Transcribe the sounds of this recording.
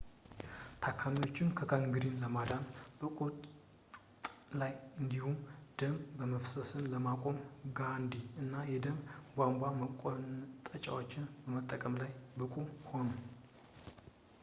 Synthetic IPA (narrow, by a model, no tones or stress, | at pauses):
t̪ʰakʰːamiwo̞t͡ʃːɪnkʰəkʰaŋɡɨɾinləmad̪anb̥əkʼut̪ | t̪ʼlajɨnd̪ihumd̪̥əmbəməfsəsɨnləmakʼo̞mɡand̪iɨnːajɛd̪əmɡʷamɡʷaməkʼont̪ʼət͡ʃʼa̰wo̞t͡ʃːɪnbəmət̪ʼːəkʼəmlajbɨkʼuho̞nu